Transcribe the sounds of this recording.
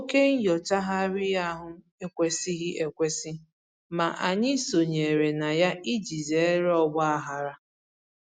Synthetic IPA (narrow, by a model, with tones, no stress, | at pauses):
o˦ke˦ŋ̩˦jɔ˨t͡ʃa˦ɦa˦ɾɪ˦ja˦ɦʊ˦ | e˦kʷe˨si˦ɦɪ˦ʔe˨kʷe˦si˦ | ma˨ʔa˨ɲɪ˦so˨ɲe˨ɾe˨na˨ja˦i˦d͡ʒi˨ze˨e˦ɾe˦ɔ˦ɡ͡bɔ˦a˦ɦa˨ɾa˦